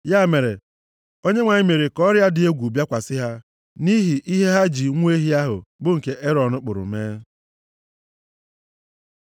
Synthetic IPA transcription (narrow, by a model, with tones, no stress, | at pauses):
ja˦˨me˨ɾḛ˨ | o˦ɲe˦ŋʷa˨ɲi˦me˨ɾi˨kɔ˦ɾja˦dɪ˨e˦ɡʷu˨bja˦kʷa˨sɪ˦ɦa˦ | ni˦ɦi˨ʔi˦ɦe˦ɦa˦d͡ʒi˨ŋʷ˦e˦ɦi˦a˦ɦʊ̰˨bʊ˦ŋ̩˨ke˨ʔe˦ɾɔ˨nʊ˦k͡pʊ̰˨ɾʊ̰˨meː˦